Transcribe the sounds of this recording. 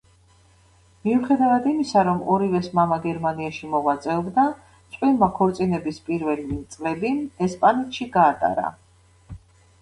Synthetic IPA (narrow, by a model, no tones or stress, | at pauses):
miuχɛd̪avad̪imisaɾɔmɔɾivɛsmamaɡɛɾmaniaʃimɔvat̪sʼɛɔbd̪a | t̪sʼqʼwilmakʰɔɾt̪sʼinɛbispʼiɾvɛlit̪sʼlɛbiɛspʼanɛt̪ʃiɡaːt̪ʼa̰ɾa̰